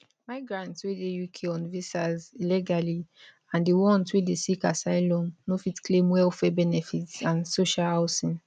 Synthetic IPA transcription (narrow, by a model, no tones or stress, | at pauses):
maɪɡɹãntswedejukʰeɔ̃nvisazilɛɡali | ãndiwɔ̃nswedesikasaɪlɔ̃nnofitklẽmwɛlfɛbɛnɛfitsãnsoʃahaʊsĩn